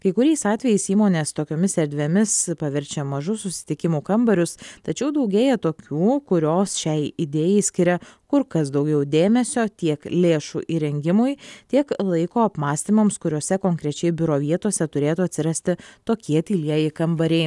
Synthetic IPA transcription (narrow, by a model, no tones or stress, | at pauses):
kɐɪkʊɾʲɛɪsɑːt̪ʲʋʲɛjɛɪsiːmoːnʲeːst̪oːkʲoːmʲɪsɛɾʲd̪ʲʋʲemʲɪspɐʋʲɛɾʲt͡ʃʲɛmɐʒʊsʊsʲɪ̥t̪ʲɪkʲɪmuːkɐmbɐɾʲʊst̪ɐt͡ʃʲɛʊd̪ɐʊɡʲeːjɛt̪oːkʲuːkʊɾʲoːsʃʲɛɪɪd̪ʲeːjɛɪsʲkʲɪɾʲɛkʊɾkɐsd̪ɐʊɡʲɛʊd̪ʲeːmʲɛsʲoːt̪ʲiɛklʲeːʃuːʔiɾʲɛŋʲɡʲɪmʊjt̪ʲiɛklˠɐɪkoːɐpmɑːsʲt̪ʲiːmɐmskʊɾʲoːsʲɛkoːŋʲkɾʲɛt͡ʃʲɛɪbʲʊɾoːʋʲiɛt̪uɔsʲɛt̪ʊɾʲeːt̪uɐt̪ʲsʲɪɾɐsʲt̪ʲɪt̪oːkʲiɛt̪ʲiːlʲiɛjɪkɐmbɐɾʲɛɪ